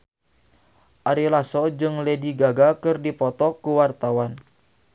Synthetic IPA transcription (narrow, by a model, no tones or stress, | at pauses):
ʔaɾilasɔd͡ʒɨŋlediɡaɡakɨrdipɔt̪ɔkuwart̪awan